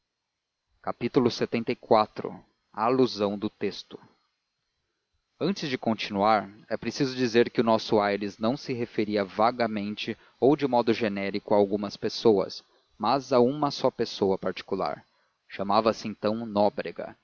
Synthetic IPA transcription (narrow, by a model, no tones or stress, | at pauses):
kapit̪ulʊset̪ẽnt̪ɐjkwat̪ɾʊ̰ | ɐaluzɐ̃w̃d̪ʊt̪est̪ʊ̥ | ɐ̃nt͡ʃɪzd͡ʒɪkõt͡ʃinuaɾɛpɾesizʊd͡ʒizeɾkɪʊnɔsʊajɾɪznɐ̃w̃sɪɦefeɾiɐvaɡɐmẽnt͡ʃɪ | owd͡ʒɪmɔd̪ʊʒenɛɾikʊaːwɡũmɐspesowɐ̰s | mɐzaũmɐsɔpesowɐpaɾt͡ʃi̥kula̰ɾ | ʃɐmavɐsɪẽnt̪ɐ̃w̃nɔbɾeɡɐ̰